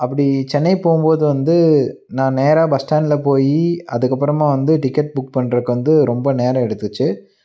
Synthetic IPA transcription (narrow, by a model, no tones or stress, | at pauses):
ɐpːɐɽit͡ʃɛnːɐɪpoːɯmboːðɯʋɐnd̪ɯ | nãːneːɾaːbɐsʈaːnɪlɐpoːjiɐðɯkːɐpːɯɾɐmãːʋɐnd̪ɯʈɪkːɐʈ̚bʊkpɐɳːɾɐɯkːɯʋɐnd̪ɯɾɔmbɐneːɾɐ̃ɛɽɯt̪ːɯt͡ʃːɯ